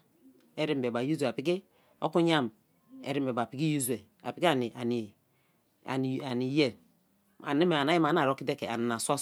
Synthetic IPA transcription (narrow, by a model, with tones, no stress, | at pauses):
e˦ɾi˦m˨be˨ba˨ju˦ze˨pi˦k̬i˦ | o̰˦ku˦ɲa˦m | ḛ˦ɾi˦m˨be˨ba˨pi˦ki˦ju˦ze˨ | a̰˨pi˨˦ki˦a˦˨ni˨a˨ni˨ | a̰˨n˨a˨ni˨je˦˨ | a̰˨ni˦me˨a˨na˦ji˦ma˨n˦a˨ɾo˦ki˦de˦ke˨a̰˨ni˨na˨sʷa˦